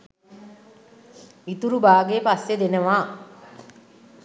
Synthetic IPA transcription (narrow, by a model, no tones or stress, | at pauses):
it̪uɾubaːɡepasːed̪enəʋaː